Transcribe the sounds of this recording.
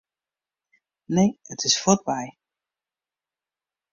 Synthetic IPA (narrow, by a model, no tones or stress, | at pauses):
nejətʰɪsfɔt̚baj